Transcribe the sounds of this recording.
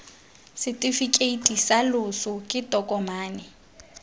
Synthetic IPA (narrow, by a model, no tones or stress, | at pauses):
sɪtʼɪfikʼeitʼisalʊsʊkʼɪtʼɔkʼɔmaːnɛ